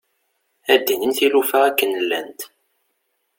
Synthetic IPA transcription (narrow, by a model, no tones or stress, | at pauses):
æd̪ːinəmθilufæækːənəlːæ̰nt̪